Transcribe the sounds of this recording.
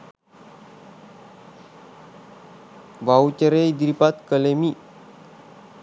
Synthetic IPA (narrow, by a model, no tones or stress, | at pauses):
vaut͡ʃəɾejd̪ɾipat̪̚kəlemiʔ